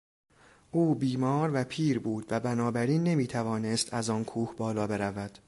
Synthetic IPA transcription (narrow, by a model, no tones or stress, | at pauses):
ʔuːbiːmɒːɾvæpʰiːɾbuːd̪væbænɒːbæɾiːnːe̞miːt̪ʰævɒːnest̪ʰæzɒːnkʰuːhbɒːlɒːbe̞ɾævæd̪̥